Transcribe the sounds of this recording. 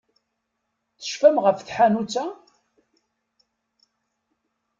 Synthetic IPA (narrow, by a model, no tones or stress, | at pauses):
θə̥ʃfæmʁəfθħanut͡sːa